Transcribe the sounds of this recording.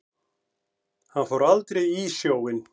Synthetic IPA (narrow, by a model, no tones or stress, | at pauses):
hanfowɾalt̪ɾejisjoːwɪn